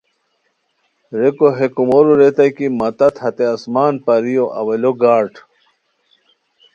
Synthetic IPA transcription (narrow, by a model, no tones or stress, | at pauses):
ɾekoɦekumoɾuɾet̪ɐjkimɐt̪ɐt̪hɐt̪eɐsmaːnpɐɾijoʔɐ̰wɐloɡaːɾʈ